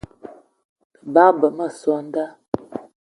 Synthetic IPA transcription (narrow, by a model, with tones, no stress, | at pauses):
ə˨ba˦bə˨mə˦˨sɔ˦n˦da˦